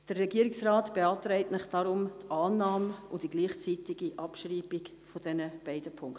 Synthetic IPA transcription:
d̥ərːɛɡiːəɾɪksraːtb̥eɑːtɾɛɪtnɪχd̥ɑɾʊmtʰaːnɑːmʊd̥iɡliːχt͡siːtiɡiʔɑpʃriːbik | fɔd̥ɛnəb̥ɛɪdəpʰʊŋkt

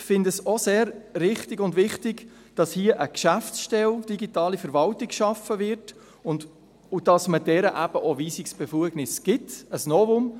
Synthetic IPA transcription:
fɪndəsoseːɾɾɪχtɪɡʊndʋɪχtɪɡ | d̥ɑshiːəʔəkʃæftsʃtɛld̥iɡitɑːlifɛɾvɑltiɡʃɑfəvɪɾt | ʊnd | ud̥ɑsmədɛɾəʔæb̥əʔoviːsiksb̥efuəɡnɪsɡ̥ɪtəsnɔvʊm

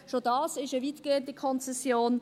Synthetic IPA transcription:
ʃodɑːsɪʃəviːtɡ̥eːəndəkʰɔnt͡sɛsjoːn

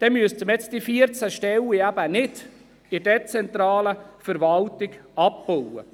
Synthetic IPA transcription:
d̪̥ɛmyəstəmjɛt͡sd̥ifiəɾt͡sæʃtɛliæb̥ənɪd̥ | ɪdɛt͡sɛnt̪ɾɑːləfəɾʋɑlt̪ɪɡɑp̚b̥owə̰

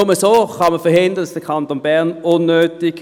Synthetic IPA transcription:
ʊməsoːχɑməfəhɪndəndɑsd̥əkʰɑntonbæʁnʊnːøːtɪɡ̥

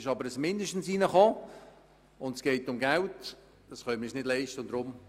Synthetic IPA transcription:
ɪʃɑbəɾəsmɪndəʃtn̩siːnəχɔː | ʊndsɡ̥ɛɪtʊmɡalt | d̥ɑsχœʏmnɪsnɪdlɛɪʃtəʊnd̥ɾʊm

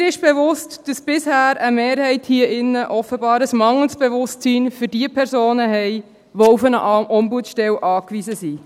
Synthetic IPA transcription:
ɾɪʃb̥ɛʋʊstd̥ɑsb̥ɪshæːɾəmeːɾhɛɪthiəʔɪnːəʔɔfəbɑːɾəsmɑŋəl̩sb̥eʋʊstt͡siːnfyɾd̥iəpʰɛɾsoːnəɦɛɪ | ʋoufənə̰ʔʔɔmbuətʃtɛwʔɑːkʋizəsi

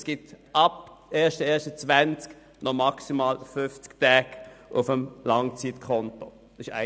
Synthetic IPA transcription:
sɡ̥ɪtʔɑb̥ʔeːɐʃtəɛːɐʃtət͡svænt͡sk | nɔmɑksimaːlfʏft͡sktɛːɡʔʊfəmlɑŋt͡sitkʰɔnto̥ | ɪʃa̰

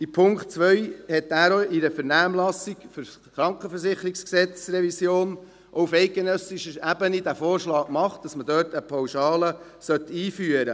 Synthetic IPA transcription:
ipʰʊŋktt͡sʋœjhɛt̪ːæːɾoiɾəfɛɾnæːmlɑsikfʏɾ | χɾɑŋkχəfəɾsɪχəɾiksksɛt͡srɛvisjoːn | ʔɔufɛɪk̚ɡenœsɪʃəɾæbənid̥æːfoːɾʃlɑːkmɑχt̚d̥ɑsmədøːɾtəpʰɑwʃɑːlə | sœt̪iːfyːəɾə

